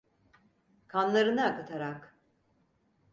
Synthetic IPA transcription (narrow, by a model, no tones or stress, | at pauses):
kʰanlˠaɾɯnaakɯt̪ʰaɾak